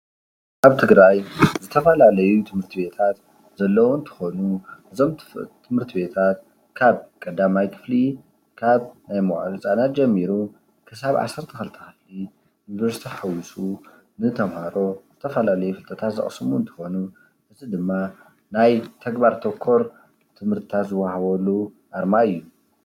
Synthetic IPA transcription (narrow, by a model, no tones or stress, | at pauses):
kaβt̪ʰɨɡɾajzɨt̪ʰɐfɐlalɐjut̪ʰɨmhɨɾt̪ʰibe̞t̪ʰat̪ | zɐlːɐwɨnt̪ʰɨ̥xonuʔɨzo̞mt̪ʰɨmhɨɾt̪ʰibe̞t̪ʰat̪̚ | kʰaβkʼɐd̪amajkʰɨ̥fli | kʰaβnajmoʔlɨt͡sʼanat̪̚d͡ʒɛmːiɾu | kʰɨsaβʕa̰sːɐɾt̪ʰɐxɐlt̪ʰɐ̥kɨfli | jnβɐɾsi̥t̪ʰiħawisʼu | nɨt̪ʰɐmhaɾo̞z̥ɨt̪ʰɐfɐlalɐjufɨlt̪ʰɐt̪ʰat̪zɐ̰χʼsɨmuɨnt̪ʰɨ̥xo̞nu | ʔɨzid̪ɨmːa | najt̪ʰɐɡbaɾt̪ʰokʰːoɾ | t̪ʰɨmhɨɾt̪ʰɨt̪ʰat̪zɨwahaβɐlːuʔaɾmaɨjːu